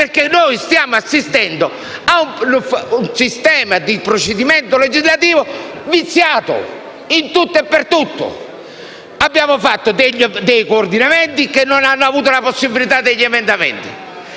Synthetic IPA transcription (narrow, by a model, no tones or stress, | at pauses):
peɾkenːojst̪jaːmoasːist̪ɛnd̪o | aunfunsist̪ɛːmad̪ipɾot͡ʃed̪imɛnt̪oled͡ʒizlat̪iːvovit̪sːjaːt̪o̰ | int̪ut̪ːɛpːeɾt̪ut̪ːo̰ | abːjaːmofat̪ːod̪eʎːd̪ejkoːɾd̪inamɛnt̪ikenːonanːoavuːt̪̬olaposːibilit̪ad̪ːeʎːɛmɛnd̪amɛ̰nt̪ḭ